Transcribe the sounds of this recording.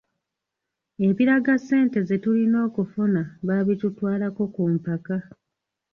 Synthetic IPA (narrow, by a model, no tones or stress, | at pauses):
e̞βiɾaɡasːe̞ːnte̞ze̞tulino̞ːkufunaβaβitutwaːlako̞kumpaka